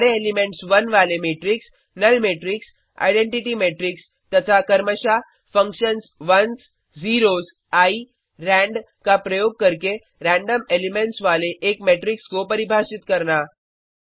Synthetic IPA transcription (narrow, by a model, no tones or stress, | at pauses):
ɽeelimeɳʈsʋənʋalemeʈɾiks | nəlmeʈɾiks | a̰jɖẽɳʈiʈimeʈɾiks | t̪ət̪ʰakəɾməɕa | fə̃ŋkɕənsʋəns | d͡ziɾos | ai | ɾæ̃ɳɖ | kapɾəjoːɡ̚kəɾke | ɾæ̃ɳɖəmelimeɳʈsʋaleʔekmeʈɾikskopəɾibʱaɕit̪kəɾna